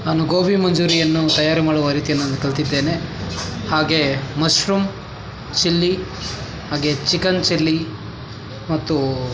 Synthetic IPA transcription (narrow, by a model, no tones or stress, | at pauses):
naːnuɡoːbʱimɐɲd͡ʒuːɾijɐnːut̪ɐjaːɾɐmaːɽuʋaːɾiːt̪ijɐnːuɐnd̪ɐkɐɭt̪id̪ːe̞ːnehaːɡe̞mɐsɾum | t͡ʃilːi | haːɡe̞t͡ʃikɐnt͡ʃilːi | mɐt̪ːu